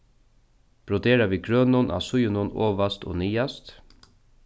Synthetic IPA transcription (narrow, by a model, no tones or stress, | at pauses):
b̥ɾɔd̪eːɾaʋiːkɾøːnʊnʔa̰sʊjʊnʊno̰ːʋast̪ʰo̰ːniːast̪